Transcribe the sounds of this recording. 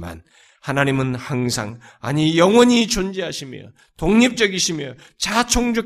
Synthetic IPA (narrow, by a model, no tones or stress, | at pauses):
ma̰n | hanaɲimɯnhaŋsʰa̰ŋa̰ɲijʌŋwʌɲit͡ɕond͡ʑeɦaɕʰimjʌ̰ | toŋɲip̚t͡ɕ͈ʌɡiɕʰimjʌ | t͡ɕat͡ɕʰoŋd͡ʑʌ